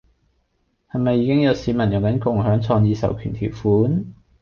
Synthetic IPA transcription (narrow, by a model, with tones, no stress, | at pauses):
hɐ˨˩jmɐ˨jːiː˨˧kɪ˥ŋjɐ˨˧wsiː˨˥mɐ˨˩njʊ˨ŋkɐ˨˥nkʊ˨˩ŋɦœː˨˥ŋt͡sʰɔː˧ŋjiː˨˧sɐ̰˨˩wkʰy̰ː˨˩nt̪ʰḭ˨˩wfuː˨˥n